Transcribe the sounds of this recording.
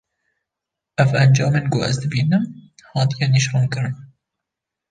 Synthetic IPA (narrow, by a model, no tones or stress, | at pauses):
ʔɛvænd͡ʒɑːmenɡoʔɛ̰zd̪ɨbiːnɨmhɑːt̪ijɛniʃruːnkɨɾɨn